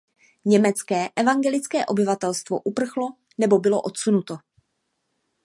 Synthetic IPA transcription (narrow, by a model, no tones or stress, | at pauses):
ɲɛmɛt͡skɛːʔɛvaŋɡɛlɪt͡skɛːʔo̞bɪvat̪ɛlst̪vo̞̰ʔupr̩xlo̞ | nɛbo̞bɪlo̞ʔo̞t̪sunut̪o̞